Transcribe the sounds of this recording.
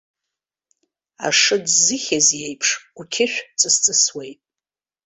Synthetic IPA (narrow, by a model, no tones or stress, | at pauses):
a̰ʂɨdzɨχʲazjejpʰʂukʲʰɪʃʷᶣt͡sʼɨst͡sʼɨswejtʼ